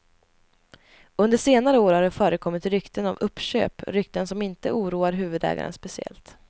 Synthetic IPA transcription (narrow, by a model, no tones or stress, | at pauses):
ɵnd̪əʂeːnaɾəoːɾhaɖɛfœːɾəkʰɔmːɪt̪ɾʏkt̪ənavɵpːɕø̰ːpɾʏk̚t̪ənsɔmɪnt̪əʔuːɾuːaɾɦʉ̟ːvɵd̪ɛ̰ːɡa̰ɾə̰nspɛsɪɛ̰lt̪